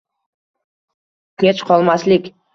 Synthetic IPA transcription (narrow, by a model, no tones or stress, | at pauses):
kʲʰet͡ʃqʰɒlˠmaslɪkʲ